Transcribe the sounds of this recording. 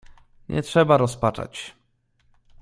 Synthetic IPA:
ɲʔɛ̰tʂɛbaɾɔspat͡ʂa̰t͡ɕ

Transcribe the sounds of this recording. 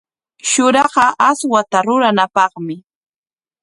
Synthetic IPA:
ʃʊɾɑɢɑʔaswat̪aɾʊɾanapɑχmɪ

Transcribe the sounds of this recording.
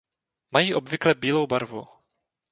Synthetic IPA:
majiːʔobvɪklɛbiːlowbaɾvṵ

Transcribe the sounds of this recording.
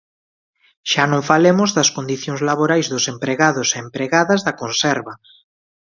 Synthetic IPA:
ʃanõɱfalemozðɐskond̪iθjõŋzlaβoɾajzðosempɾeɣaðoseːmpɾeɣaðazðakonsɛɾβa

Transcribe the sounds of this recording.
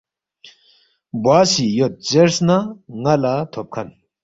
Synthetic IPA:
bwaːsijot̪̚t͡ɕeɾsnaŋalat̪ʰop̚kʰan

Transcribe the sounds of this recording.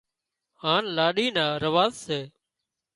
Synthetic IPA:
haːnlaːɗiːnaːɾəʋaːzseː

